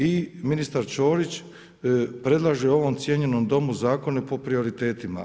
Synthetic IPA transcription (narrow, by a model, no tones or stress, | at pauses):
iminist̪aɾt͡ʃo̞ːɾit͡ɕ | pɾe̞d̪lˠaʒeo̞ʋo̞mt̪sje̞ɲe̞no̞md̪o̞muzaːko̞nepo̞pɾio̞ɾit̪e̞ːt̪ima̰